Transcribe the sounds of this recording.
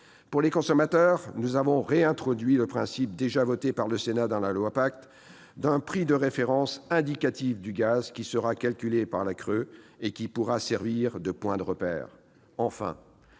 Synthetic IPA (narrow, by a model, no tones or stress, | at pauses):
puʁlekɔ̃sɔmat̪œʁnuzavɔ̃ʁeɛ̃t̪χɔd̪ɥiləpχɛ̃sip̚d̪eʒavɔt̪epaʁləsenad̪ɑ̃lalwapakt̪ | d̪ɛ̃pχid̪əʁefeʁɑ̃sɛ̃d̪ikat̪ivd̪yɡazkʲisəʁakalkʲylepaʁlakχøekʲipuʁasɛʁviʁd̪əpwɛ̃d̪əʁəpɛ̰ːʁ | ɑ̃fɛ̰̃